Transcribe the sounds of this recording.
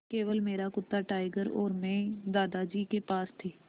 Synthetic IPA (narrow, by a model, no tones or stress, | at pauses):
keːʋəlmeːɾakʊt̪ːaʈaːɪɡəɾɔ̰ːɾmɛ̃ːd̪aːd̪ad͡ʒiːkepaːst̪ʰeː